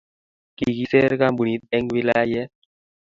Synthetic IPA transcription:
ki˨ki˦sɛ˦ɾka˦bu˨ni˨˦t̪̚ɛ˦ŋwi˦la˦ja˦jɛ˦

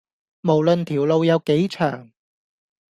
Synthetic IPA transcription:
mo˨˩wlɵ˧nt̪ʰiː˨˩wlo˧wjɐ˨˧wke˨˥jt͡ʃʰœ̰ː˨˩ŋ

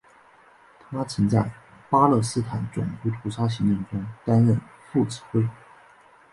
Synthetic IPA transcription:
t̪ʰa˥t͡sʰi˧˥ŋt͡sa˥˩ɪ | pa˥lɤ˥˩sɹ̩˥t̪ʰa˨˩nt͡sʊ̰˨˩ŋtu˧˥t̪ʰu˧˥ʂa˥ɕ̬i˧˥ŋi˥˩ŋʈ͡ʂʊ˥ŋt̪a˥nɻə˥˧n | fu˥˩t͡sɹ̩̥˨˩xwe˥ɪ

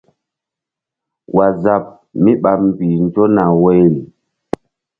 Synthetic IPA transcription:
wʔa˨za˨p̚ | mi˦ɓa˨p̚m˨pi˨n˦d͡ʒo˦na˨we˦jɾi˨

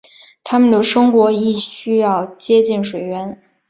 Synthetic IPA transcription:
t̪ʰa˥mə˨nd̪ə˩ʂɤ˥ŋkwɔ˧˥i˥˩ɕy˥jɑ˥˩ʊt͡ɕjɛ˥t͡ɕi˥˩nʂwe˨˩ɪɥɛ˧˥n

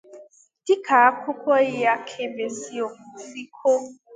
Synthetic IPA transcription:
di˦kʰa˨a˦kʷʰʊ˦kʷɔ˦ɪ˦ja˦kʰe˦be˨si˦o˨˦li˦kʰo˦

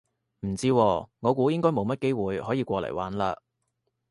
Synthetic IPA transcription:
m̩˨˩t͡siː˥wɔː˧ŋɔː˨˧kuː˨˥jɪ˥ŋkɔː˥jmo˨˧wmɐ˥t̚ke˥jwuː˨jhɔː˨˥jiː˧kʷɔː˧lɐ̰˨˩jwa̰ː˨˥nla̰ː˧

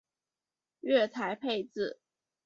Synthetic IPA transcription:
ɥɛ˥˩t̪ʰa˧˥ɪpʰe˥˧ɪt͡sɹ̩˥˩

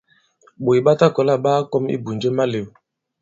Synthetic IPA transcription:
ɓo˨jɓa˦ta˦kɔ˨la˦˨ɓa˦kɔ˦mḭ˦bu˨nd͡ʒə˦ma˦le˨

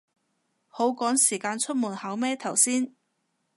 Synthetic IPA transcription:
ho˨˥wkɔː˨˥ŋsiː˨˩kaː˧nt͡ʃʰɵ˥t̚muː˨˩nhɐ˨˥wmɛː˥t̪ʰɐ˨˩wsiː˥n

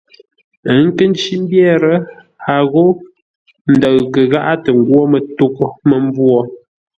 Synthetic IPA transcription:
ə˨˦ŋ̩˦kə˦n˦t͡ʃi˦m˦bjɛ˦ɾə˦ | a˨ɣo˦ | n̩˨də˨ɣkə˨ɣa˦ʔa˦tə˨ŋ˨ɡwɔ˦mə˨tu˦ko˨mə˨m˦bwɔ˨

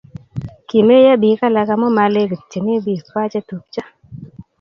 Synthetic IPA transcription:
ki˨me˦ja˦bi˨˦ka˦la˧ka˧mɔ˦ma˨le˦kt͡ʃe˨ne˦bi˦˨kwa˦t͡ʃa˦tu˨k̚t͡ʃa˦

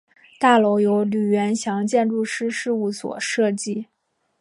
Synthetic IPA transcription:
t̪a˥˩lo˧˥ʊjo˧˥ʊly˨˩ɥɛ˧˥nɕjɑ˧˥ŋt͡ɕjɛ˥˧nɻu˥˩ʂɻ̩˥ʂɻ̩˥˧u˥˩swɔ̰˨˩ʂɤ˥˧t͡ɕi˥˩

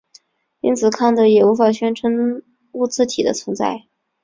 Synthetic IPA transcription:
ḭ˥nt͡sʰɹ̩˨˩kʰa˥˩nd̪ə˩jɛ˨˩u˧˥fa˨˩ɕɥɛ˥nʈ͡ʂʰə˧˥n | u˥˧t͡sɹ̩˥˩t̪ʰi˨˩d̪ə̰˦t͡sʰwə˧˥nt͡sa̰˥˩ɪ

